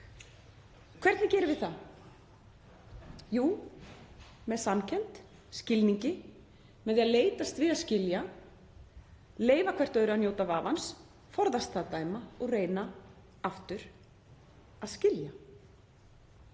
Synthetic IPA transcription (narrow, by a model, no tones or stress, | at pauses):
kʰv̥ɛɾ̥t̪ɪcɛːɾɪvɪθa | juː | mɛðsancʰɛnt̪ | scɪlniɲcɪ | mɛðaðleːjt̪ast̪vɪðaðscɪlja | leːjvakʰv̥ɛr̥t̪œːɥɾʏanjoːwt̪avaːvans | fɔɾðast̪aːðt̪aːjmaɔɣreːjna | aft̪ʏɾ̥ | aðscɪlja